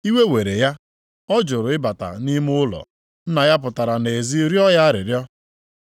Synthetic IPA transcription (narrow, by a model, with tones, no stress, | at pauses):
i˦we˦we˨ɾe˨ja˦ | ɔ˦d͡ʒʊ˨ɾʊ˨ɪ˦ba˨ta̰˨ni˦mʊ˦ʊ˦lɔ̰˨ | n̩˦na˨ja˦p̬ʊ˨ta˨ɾa˨ne˨zi˦ɾjɔ˦ja˦ɾɪ̰˨ɾjɔ˦